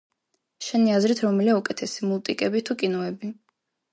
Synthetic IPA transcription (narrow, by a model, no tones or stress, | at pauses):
ʃɛniazɾit̪ʰɾɔmɛliaukʼɛt̪ʰɛsimulˠt̪ʼikʼɛbit̪ʰukʼinɔɛbi